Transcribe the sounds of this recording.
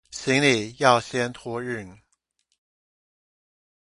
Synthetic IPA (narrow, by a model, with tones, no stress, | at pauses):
ɕi˧˥ŋli˨˩jɑ˥˩ʊɕjɛ˥nt̪ʰwɔ˥ɻ̩˥˩n